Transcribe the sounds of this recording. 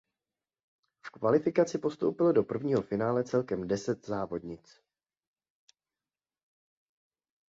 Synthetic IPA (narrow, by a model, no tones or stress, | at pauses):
fkvalɪfɪkat͡sɪpo̞st̪owpɪlodo̞pr̩vɲiːɦo̞fɪnaːlɛt͡sɛlkɛmdɛsɛt̪zaːvo̞dɲɪt͡s